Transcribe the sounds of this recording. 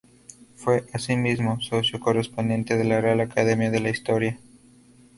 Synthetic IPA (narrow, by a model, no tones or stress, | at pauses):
fwe̞ʔasimizmo̞so̞sjo̞ko̞re̞spo̞nd̪je̞nt̪e̞ðe̞larealakaðemjaðe̞laist̪o̞ɾja